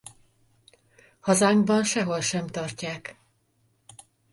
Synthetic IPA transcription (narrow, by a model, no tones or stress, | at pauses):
hɒzaːŋɡbɒnʃɛɦo̞lʃɛmt̪ɒrcaːk